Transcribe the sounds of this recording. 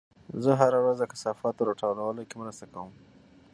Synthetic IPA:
zəɦaɾawɾazd̪əkḁsɑfɑt̪oɾɑʈawlawalokemɾəst̪akawəm

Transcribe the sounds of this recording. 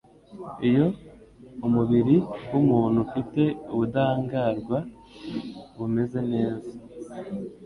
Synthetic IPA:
ijo̞ | umuβiɾiwumuːn̥hufite̞uβudaŋɡaːɾɡwa | βume̞ze̞ne̞ːza

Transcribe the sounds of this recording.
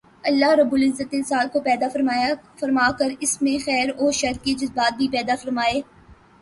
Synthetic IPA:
ɐlːaɦɾɐbːʊlɪzːət̪nesaːlkopɛːd̪afɐɾmaːjfɐɾmaːkɐɾɪsmẽxɛːɾɔːɾʃɐɾt̪̚ked͡ʒɐzbaːt̪̚bʱipɛːd̪afɐɾmaːeː

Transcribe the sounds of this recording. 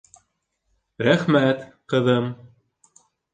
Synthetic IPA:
ɾæχmæt̪qɤ̆ðɤm

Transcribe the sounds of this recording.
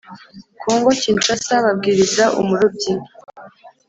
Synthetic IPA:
kʰuːŋɡociːnt͡ʃasaβabɡiːɾizaʔṵmuɾob̚ɟi

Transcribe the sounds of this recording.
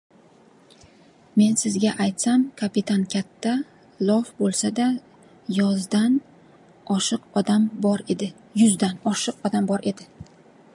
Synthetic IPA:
me̞nsɪzɡʲaʔajt̪samkʰapɪt̪ʰankʲʰat̪ʰːa | lˠɒfbolˠsad̪a | jɒzd̪an | ɒʃɨqɒd̪ambɒɾd̪ɪ | jʊzd̪anɒʃɨqɒd̪ambɒɾʔe̞d̪ɪ

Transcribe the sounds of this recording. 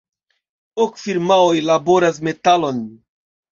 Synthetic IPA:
okfiɾmaojlaboɾas̬met̪alon

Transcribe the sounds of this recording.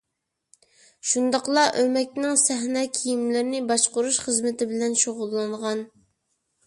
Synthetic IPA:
ʃund̪ɑqlˠɑʔømɛk̚ʲnɪŋsɛɦnɛkʲʰijimlɪɾnɪbɑʃqʊɾuʃχəzmɪt̪ɪbɪlɛnʃoʁʊlˠːɑɴʁɑn

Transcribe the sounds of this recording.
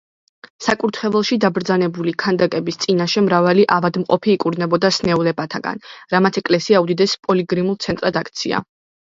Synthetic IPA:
sakʼuɾt̪ʰχɛvɛlˠʃid̪abɾd̪zanɛbulikʰand̪akʼɛbist̪sʼinaʃɛmɾavaliʔavad̪mqʼɔpʰiːkʼuɾnɛbɔd̪asnɛulɛbat̪ʰaɡa̰nɾamat̪ʰɛkʼlɛsiaud̪id̪ɛspʼɔliɡɾimulˠt̪ʰɛnt̪ʼɾad̪akʰt̪sʰḭa̰

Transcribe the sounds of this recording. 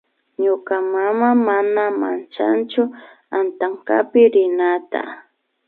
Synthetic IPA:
ɲʊkamamamanama̰nt͡ʃa̰nt͡ʃʊ | ant̪aŋka̰pɪɾɪnat̪a̰

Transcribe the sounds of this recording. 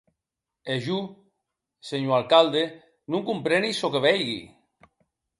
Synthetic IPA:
eʒu | seɲoalˠkalˠd̪e | nũŋkumpɾenisokeβɛjɣḭ

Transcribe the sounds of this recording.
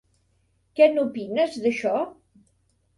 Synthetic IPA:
kɛnupinəzðəʃɔ

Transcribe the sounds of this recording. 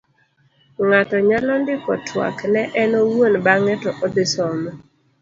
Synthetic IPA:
ŋatɔɲalɔndɪkɔtʰwa̰knɛʔɛnɔwonbaŋɛtɔʔɔd̪ɪsɔmɛ

